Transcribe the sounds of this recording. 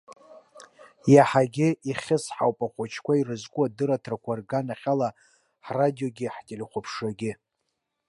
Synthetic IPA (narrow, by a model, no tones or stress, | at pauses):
jaħaɡʲɪiχʲɪsħa̰wpʼaχʷat͡ʃʰkʷairɨzkʷʼuadɨɾatʰrakʷʰarɡanaχʲala | ħradijoɡʲɪħtʲʼɪlχʷʊpʰʂaɡʲɪ